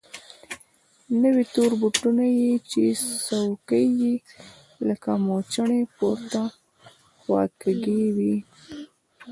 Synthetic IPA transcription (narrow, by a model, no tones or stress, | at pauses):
nəwit̪oɾbuʈunajit͡ʃesawkəji | ləkamot͡ʃaɳepoɾt̪a | xwɑ̰keɡewi